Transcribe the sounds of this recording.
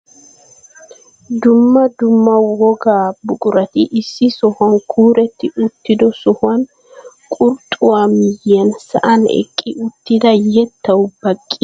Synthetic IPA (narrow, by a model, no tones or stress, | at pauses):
d̪ʊmːɐd̪ʊmːɐwɔɡaːbʊkʼʊɾɐt̪iʔɪsːɪsɔhɐŋkʰuːɾɛt̪ːɪʊt̪ːɪd̪ɔsɔhɐn | kʼʊɾt̪ʼʊwamɪjːɛnsɐ̰ʔɐnɛ̰kʼːɪʊt̪ːɪd̪ɐjɛt̪ːɐwʊbɐkʼːɪ